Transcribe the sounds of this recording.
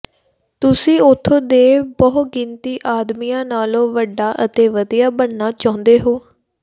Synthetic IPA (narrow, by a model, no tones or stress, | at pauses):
t̪ʊsĩːot̪ʰːoːd̪eːbɔɦɡɪnt̪iːʔaːd̪miːãːnaːlõːʋəɖaːʔət̪eːʋəd̪ijaːbəɳnaːt͡ʃãːʊ̃nd̪eːɦoː